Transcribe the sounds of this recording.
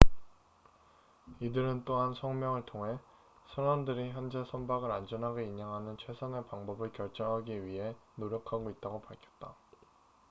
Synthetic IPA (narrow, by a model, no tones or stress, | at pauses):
idɯɾɯnt͈oɦansʰʌŋmjʌŋɯɭtʰoŋɦe̞ | sʰʌɾʌndɯɾiçjʌnd͡ʑe̞sʰʌnbaɡɯɾand͡ʑʌnɦaɡoiɲaŋɦanɯnt͡ɕʰwe̞sʰʌnepaŋbʌbɯɭkjʌɭt͡ɕ͈ʌŋɦaɡiɥiɦe̞noɾjʌkʰaɡoit̚t͈aɡopaɭkʰjʌ̥t̚t͈a